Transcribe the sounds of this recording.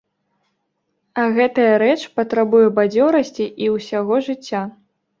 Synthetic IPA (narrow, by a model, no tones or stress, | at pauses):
ɐɣɛt̪ɐjɐɾɛt͡ʂpɐt̪ɾabujɛbad͡zʲɔɾɐsʲt͡sʲiʔiwsʲaɣɔʐɨt͡sʲːa